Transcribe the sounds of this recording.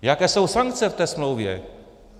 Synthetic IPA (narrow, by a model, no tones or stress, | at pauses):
jakɛsowsaŋk̚t̪sɛft̪ɛsmlowvjɛ̰